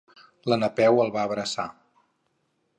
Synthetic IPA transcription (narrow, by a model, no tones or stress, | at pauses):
lənəpɛwəlˠβaəβɾəsa̰